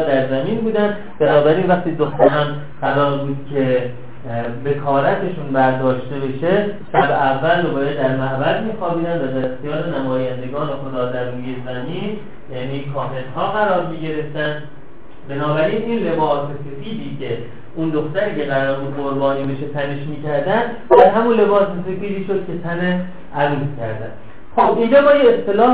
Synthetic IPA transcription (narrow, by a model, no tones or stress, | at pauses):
d̪æɾzæmiːnbuːd̪ænd̪ | benɒːbæɾiːnvæχt̪iːd̪o̞xt̪æɾɒːn | ɢæɾɒːɾbuːd̪̥cʰe̞ | be̞kʰɒːɾæt̪ʰe̞ʃunbæɾd̪ɒːʃt̪e̞be̞ʃe̞ʃæbeʔævːæld̪obɒːɾæd̪d̪æɾmæhbæzmiːxɒːbiːd̪ænd̪væd̪æɾe̞xt̪ijɒːɾenæmɒːjænd̪e̞ɡɒːne̞xo̞d̪ɒːd̪æɾɾuːjezæmiːn | jæːniːkʰɒːɦed̪hɒːɣæɾɒːɾmiːɟe̞ɾe̞ft̪ænd̪ | be̞nɒːbæɾiːnʔiːnle̞bɒːsese̞fiːd̪iːcʰe̞ | und̪o̞xt̪æɾiːce̞ɣæɾɒːɾbud̪ʁoɾbɒːniːbe̞ʃe̞t̪ʰæne̞ʃmiːcæɾd̪ænd̪ | æɾɦæmunle̞bɒːsese̞fiːd̪iːʃod̪̥̚kʲcʰe̞t̪ʰæne | ʔæɾuːzcʰæɾd̪æ̰nd̪̥ | xobʔind͡ʒɒːbɒːjeest̪ʰe̞lɒː